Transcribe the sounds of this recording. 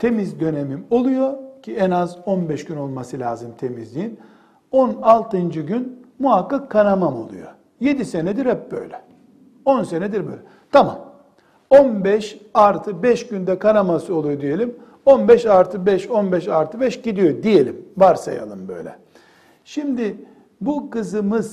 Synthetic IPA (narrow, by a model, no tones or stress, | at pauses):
t̪ʰe̞mizd̪ø̞nemimo̞lˠujocʰiɛnazo̞nbɛʃɟ̥yno̞lˠmasɯlʲa̰ːzɯmt̪ʰe̞mizlʲijin | onalˠt̪ʰɯnd͡ʒɯɟynmuɦakːakʰːanamamo̞̰lˠujo̰ | je̞d̪ise̞nɛd̪iɾhɛp̚bø̞̰jlʲɛ | o̞nse̞nɛd̪iɾbø̰jlʲɛ | t̪ʰama̰m | onbɛʃaɾt̪ʰɯbɛʃɟynd̪ɛkʰanamasɯo̞lˠujo̞d̪ije̞lʲim | o̞nbɛʃaɾt̪ʰɯbɛʃo̞nbɛʃaɾt̪ʰɯbɛʃɟid̪ijo̞d̪ije̞lʲimvaɾsa̰ja̰lˠɯmbø̞̰jlʲɛ̰ | ʃimd̪ɪ | bukɯzɯmɯz